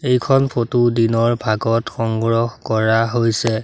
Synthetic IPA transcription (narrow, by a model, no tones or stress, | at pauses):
ejkʰɔnpʰotudinɔɹbʱaɡɔtxɔŋɡɹɔhkɔɹaɦojsɛ